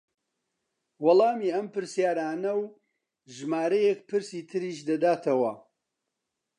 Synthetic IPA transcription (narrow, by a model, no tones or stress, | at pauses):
wɐlˠɑːmiːʔɐmpɨɾsijaːɾaːnɐw | ʒɨmaːɾɐjek̚pʰɨɾsiːt̪ʰɨɾiːʃd̪ɐd̪aːt̪ʰɐwɐ